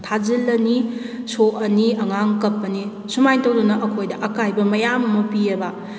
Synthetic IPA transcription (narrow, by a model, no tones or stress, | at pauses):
tʰazilɐni | soɐniɐŋaŋkɐpːɐni | sumajtɐwdunɐʔɐkʰojdɐʔɐkajbɐmɐjamɐmɐpiɐbɐ